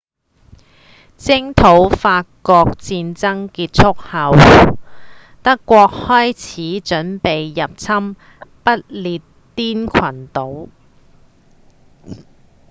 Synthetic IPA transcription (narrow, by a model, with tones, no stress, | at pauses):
t͡sɪ˥ŋt̪ʰo˨˥wfaː˧kɔː˧k̚t͡siː˧nt͡sɐ˥ŋkiː˧t̚t͡sʰʊ˥k̚hɐ˨w | t̪ɐ˥kːʷɔː˧k̚hɔː˥jt͡sʰiː˨˥t͡ʃɵ˨˥npe˨jːɐ˨p̚t͡sʰɐ˥m | pɐ˥t̚liː˨t | t̪iː˥nkʰɐ˨˩nt̪o˨˥w